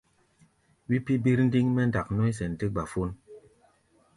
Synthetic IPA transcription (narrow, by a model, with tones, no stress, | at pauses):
wi˦pi˦bi˦ɾn̩˦di˦ŋmɛ˦nda˨k̚nɔ˦jsɛ˨ntɨ˦ɡ͡ba˨fu˦n